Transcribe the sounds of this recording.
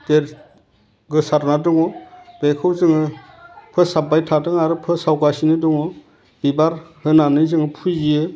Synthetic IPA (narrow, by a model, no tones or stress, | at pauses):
deɾ | ɡɯsaɾnadɯŋɔb̥ekʰɯwzɯŋɯ | pʰɯsabajtʰatɯŋaɾɯpʰɯsawɡasinɯdɯŋɔ | b̥ibaɾhɯnanɯjzɯŋɯpʰuzie